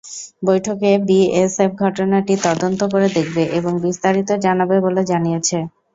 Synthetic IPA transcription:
bojʈʰokebiesep̚ɡʱɔʈonaʈit̪ɔd̪ont̪ok̬oɾed̪ekʰbeʔeboŋbist̪aɾit̪od͡ʑanabeboled͡ʑanijet͡ɕʰe

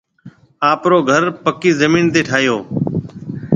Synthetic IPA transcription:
aːpɾoːɡʱəɾpəkiːzəmiːnt̪eːʈʰaːjoː

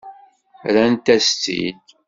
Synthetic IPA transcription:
ɾænt̪æst͡sḭd̪

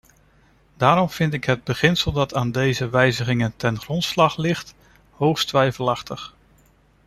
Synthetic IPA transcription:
daːɾɔmv̥ɪntɪkɦəd̚bəχɪnsəlˠdɑtaːndejzəʋɛjzəχɪŋəntɛnχrɔntslɑχlɪχt | ɦowχstʋɛjvəlɑχtəχ

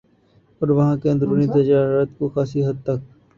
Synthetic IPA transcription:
ɔːɾʋɐɦãkeɐ̃nd̪ɾuːnit̪̬ɐd͡ʒaːɾət̪koxaːsiɦɐd̪̚t̪ɐk̚

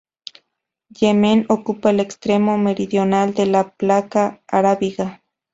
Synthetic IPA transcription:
jemenokupaelekst̪ɾemomeɾiðjonald̪elaplakaːɾaβiɣa

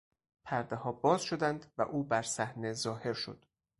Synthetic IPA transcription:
pʰæɾd̪ehɒːbɒːzʃo̞d̪ænd̪væ̰ʔuːbæɾsæhne̞zɒːhe̞ɾʃo̞̰d̪̥

